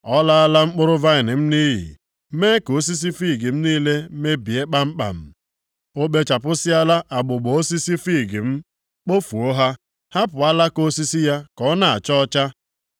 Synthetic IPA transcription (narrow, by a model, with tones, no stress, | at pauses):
ɔ˦la˦a˦la˦ŋ͡m̩˦k͡pʊ˦ɾʊ˦va˦ɪ˨nɪ˨m̩˦ni˦ɦḭ˨˦ | me˦ko˨˦s̬i˦s̬i˦fi˦˨ɡi˨m̩˦niː˦le˦me˦bi˨e˦k͡pa˦m̩˦k͡pa̰˨m̩˨ | o˦ɓe˦t͡ʃa˨pʊ˦sɪ˦a˦la˦ʔa˨ɡ͡bʊ˨ɡ͡bɔ˨o˦si˦si˦fi˦˨ɡɪ˨m̩˦ | k͡po˦fu˨o˦ɦa˦ | ha˦pʊ˨a˦la˦ko˦si˦si˦ja˦kɔ˦na˨a̰˨t͡ʃɔ˦ɔ˦t͡ʃa˦